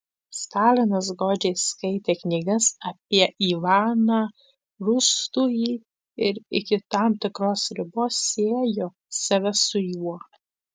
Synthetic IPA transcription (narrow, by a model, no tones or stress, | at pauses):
st̪ɑːlʲɪnɐs̬ɡoːd͡ʒʲeːskɐɪt̪ʲeːknʲɪɡɐsɐpʲiɛʔiːʋɑːnɑː | ɾʊst̪ujiː | ɪɾɪkʲɪt̪ɑmt̪ʲɪkɾoːsɾʲɪboːsʲeːjoː | sɐʋʲɛsʊjuɔɾ